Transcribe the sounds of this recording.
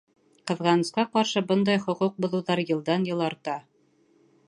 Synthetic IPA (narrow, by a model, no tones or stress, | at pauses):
qɤ̆ðʁɑnɤ̆sqɑqɑɾʃɤbɤnd̪ɑjχŏquq̚bŏðŭwðɑɾjɤ̆lˠd̪ɑnjɤ̆lˠɑɾt̪ɑ